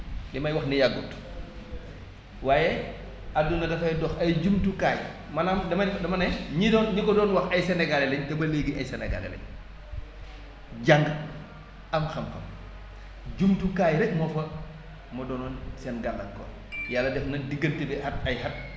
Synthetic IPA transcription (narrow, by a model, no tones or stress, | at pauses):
nimɐjwɐxnijaɡut | waːjɛ | adunɐdɐfɐjdɔxɐjɟumtukaːj | mɐnamdɐmɐdɐmɐnɐjɲidɔːnɲikɔdɔːnwɐxɐjsɛnɛɡalɛlɛɲtɛbɐleɡiʔɐjsɛnɛɡa̰lɛ̰lɛ̰ɲ | ɟaŋɡ | ɐmxɐmxɐ̰m | d͡ʒumtukaːjɾɛk̚mɔfɐ | mɐdɔːnɔːnsɛnɡalːɐŋkɔ̰ | jalːɐdɛfnɐdiɡːɐntibɛhɐt̚ɐjhɐt̚